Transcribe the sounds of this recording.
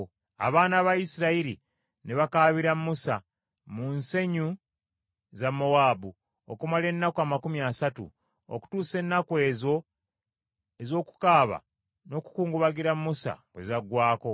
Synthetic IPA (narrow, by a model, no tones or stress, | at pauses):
a̰βaːnaβaisiɾaiɾi | neβakaːβiɾamːusa | munse̞ɲu | zamo̞waːbu | okumale̞nːakoamakumjaːsatṵ | o̰ku̥tuːse̞nːakwe̞ːzo̞ | e̞zo̞ːku̥kaːβa̰ | no̞ku̥kuːŋɡuβaɡiɾamːusa̰bwezaɡwaːko̞